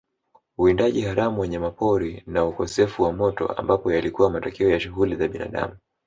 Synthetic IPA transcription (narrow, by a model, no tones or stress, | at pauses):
uindaʄihaɾamuwɛɲɛmapɔɾinaukɔsɛfuwamɔtɔ̰a̰mbapɔjalikuwamatɔkiɔjaʃuɣulizaɓina̰ɗa̰mu